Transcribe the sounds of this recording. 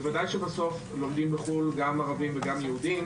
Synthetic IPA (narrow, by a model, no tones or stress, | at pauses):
vadajʃebaso̞f | lo̞md̪imbeχulɡamaʁavimveɡamjehudim